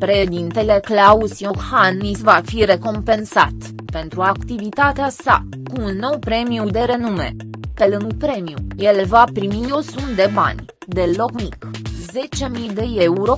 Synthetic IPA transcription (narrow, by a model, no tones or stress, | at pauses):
pɾeʃed̪int̪e̞le̞klausjohanisvafiɾe̞ko̞mpe̞nsat̪ | pe̞nt̪ɾuakt̪ivit̪at̪easa̰ | kuːnːo̞wpɾe̞miud̪e̞ɾe̞nume̞̰pe̞lɨŋɡpɾe̞miṵje̞levapɾimijosund̪e̞ba̰nʲ | d̪e̞lo̞kmikze̞t͡ʃe̞mijd̪e̞e̞uɾo̞